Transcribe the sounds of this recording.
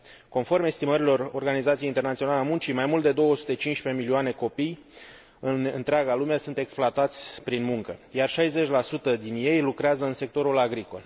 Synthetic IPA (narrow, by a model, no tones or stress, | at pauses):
ko̞nfo̞rme̞st̪iməɾilo̞ro̞rɡanizat̪sijeint̪e̞rnat̪sionaleamunt͡ʃimajmult̪d̪e̞d̪o̞wəsu̥t̪et͡ʃint͡ʃpe̞milioane̞ko̞pij | ɨnɨnt̪ɾeaɡalumeasunt̪e̞ksploat̪at̪sʲpɾinmuŋkəjarʃajze̞t͡ʃʲlasut̪əd̪inje̞jlukɾeazəɨnse̞k̚t̪o̞ɾulaɡɾiko̞̰l